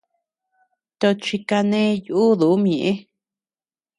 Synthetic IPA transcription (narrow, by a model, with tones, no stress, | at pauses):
t̪o˧t͡ʃi˧ka˧nẽ˦juː˦ðu˨u˦m̃ẽ˨ʔẽ˦